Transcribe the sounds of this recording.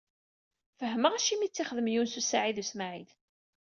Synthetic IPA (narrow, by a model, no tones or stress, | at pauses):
fəɦːəməʁæʃimit͡sːiχəðəmjunsusaʕiðusmaʕið